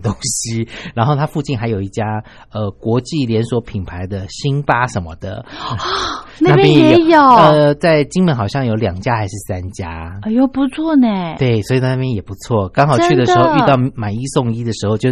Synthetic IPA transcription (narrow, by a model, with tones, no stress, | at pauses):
t̪o˥ŋɕi˥ɻa˧˥nxo˥˩ʊt̪ʰa˥fu˥˧t͡ɕi˥˩nxa˧˥ɪjo˨˩ʊi˥˩t͡ɕja˥ | ə˧kwɔ˧˥t͡ɕi˥˩ljɛ˧˥nswɔ˧˥pʰi˨˩npʰa˧˦ɪd̪ə˧ɕi˥npa˥ʂə˧˦nmə̰˧d̪ə̰˨˧ | na˥na˥˧pjnjɛ˨˧jjo˥˨˩ə˧t͡sa˥˩ɪt͡ɕi˥ŋmə˧˥nxɑ˨˩ɕjɑ˥˩ŋjo˧˥ʊljɑ˨˩ŋt͡ɕja˦˥xa˧˥ɪʂɻ̩˥˩sa˦˥nt͡ɕja̰˥˩jo˨˩ʊpu˧t͡sʰwɔ˥˩nɛ˩t̪we˥˩ɪswɔ˧˥i˨˩na˥˩na˥˩pjɛ˥njɛ˨˩pu˧˥t͡sʰwɔ˥˩kɑ˥ŋxɑ˨˩ʊt͡ɕʰy˥d̪ə˩ʂɻxo˥˧y˥˧t̪ɑ˥˩ʊma˨˩ni˦˥so˥˧ŋi˥d̪ə˨ʂɻ̩˧˥xo˥˧ʊt͡ɕjo˥˧